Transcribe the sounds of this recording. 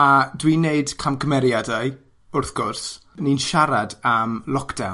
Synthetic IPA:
adwineɨd̥kʰamkʰəmɛɾjadaj | ʊrθɡ̥ʊrs | ninʃaɾadamlˠɔkd̥a̰w

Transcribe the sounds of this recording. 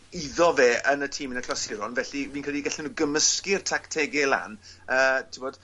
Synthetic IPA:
iðɔveːənətʰiːmənəkʰlasɪɾɔnvɛɬiviːnkʰrɛdiɡɛɬɪnuːɡəməskɪrtʰaktʰɛɡɛlˠa̰nəːtʰɪbod̥

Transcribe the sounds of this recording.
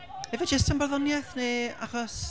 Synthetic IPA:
ɛvɛd͡ʒəstʰənbɔrðɔnjaθneːa̰χɔs

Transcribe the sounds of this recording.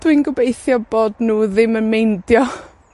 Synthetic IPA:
d̥winɡəbejθjɔboːdnuːðɪmənmejndjɔ

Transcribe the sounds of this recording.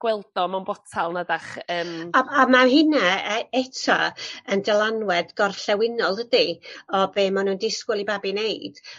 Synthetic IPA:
ɡ̥wɛlˠd̥ɔmanbɔtʰalˠnadaχəːmaamaɦɪnaɛtʰa̰əndɛlˠanwɛdɡɔrɬɛwɪnɔlˠdədiɔbeːmanuːndɪskʊlˠibabineɨd̥

